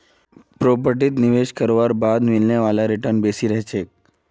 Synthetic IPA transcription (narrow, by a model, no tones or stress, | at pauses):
pɾop̬əɾʈ̬it̪niʋeʃkəɾʋaɾbad̪milnjaʋalaɾiʈəɾnbesiɾəɦt͡ʃek̚